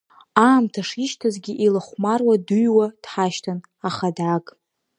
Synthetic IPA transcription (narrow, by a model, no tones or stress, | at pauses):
aːmtʰaʂiʃtʰazɡʲiʔilaχʷmarwadujwad̥ħaʃtʰan | aχadakʼ